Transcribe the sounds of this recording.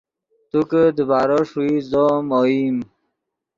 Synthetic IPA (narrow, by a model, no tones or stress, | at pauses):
t̪ukəd̪əbaːɾəʂuizomoim